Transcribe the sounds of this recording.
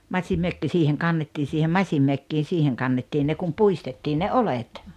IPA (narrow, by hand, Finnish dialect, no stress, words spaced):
mɑsimːøkːi siːheŋ kɑnːetːiː siːhem mɑsʲimːøkːiːn̞ siːheŋ kɑnːetːiːn ne kum puistetːiːn ne olet